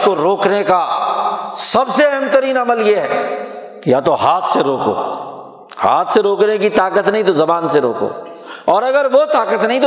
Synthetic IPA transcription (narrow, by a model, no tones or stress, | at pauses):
koɾoːkneka | sɐbseɐɦɛ̃mt̪əɾiːnɐməljeɦɛː | kijat̪oɦaːt̪ʰseɾoːko̰ː | ha̰ːt̪ʰseɾoːknekit̪aːkət̪nɐɦĩt̪ozɐbaːnseɾoːko̰ː | ɔːɾɐɡəɾʋot̪aːkət̪nɐɦĩt̪